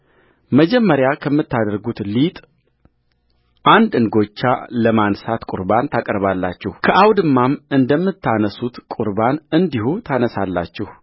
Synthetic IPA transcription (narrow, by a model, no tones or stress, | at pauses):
məd͡ʒɛmːəɾjakʰəmːɨt̪ːad̪əɾɡut̪lit̪ʼ | ʔand̪ɨŋɡo̞t͡ʃːa̰ləmansat̪kʼʊ̰ɾbant̪ʰakʼɾβalːa̰t͡ʃːɛhkʰəʔawd̪ɨmːamɨnd̪əmːɨt̪ʰːanəsut̪kʼuɾbanɨnd̪ihut̪ʰanəsa̰lːa̰t͡ʃːɛhu